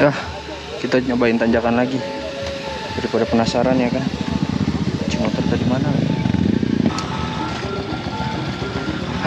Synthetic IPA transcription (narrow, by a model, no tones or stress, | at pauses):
ah | kit̪aɲobaɪnt̪aɲd͡ʒakanlaɡi | daɾipadapənasaɾanjakan | t͡ʃimot̪ərt̪adimanalaɡi